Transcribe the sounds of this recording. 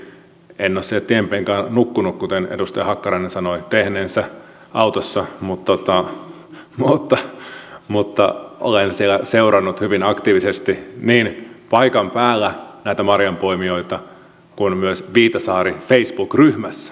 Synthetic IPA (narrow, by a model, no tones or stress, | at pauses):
enːoːsilt̪iempeːŋkɑːnnukːunukkut̪enḛdust̪ɑjɑhɑkːɑrɑinensɑnoit̪ehneːnsæ | ʔɑut̪osːɑmut̪ːot̪ɑ | mut̪ːɑmut̪ːɑʔo̰lensielæseurɑnːut̪hyʋinɑkt̪iːʋisest̪iniːnpɑikɑmpæːlːænæit̪æmɑrjɑmpoimioit̪ɑ | kunmyøsʋiːt̪ɑsɑːrifeisb̥uːkryhmæsːæ̥